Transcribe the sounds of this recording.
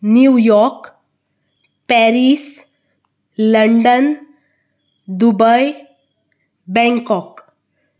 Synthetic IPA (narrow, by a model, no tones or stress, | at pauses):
njujɔɾk | pɛɾis | ləɳɖən | d̪ubəj | bɛ̃ŋkɔk